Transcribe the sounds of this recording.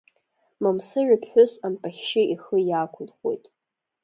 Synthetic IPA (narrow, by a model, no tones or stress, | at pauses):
mamsɨʕɪpʰħʷʊsampʼaχʲʃɪiχəjaːkʷʰʊlχwo̰jtʼ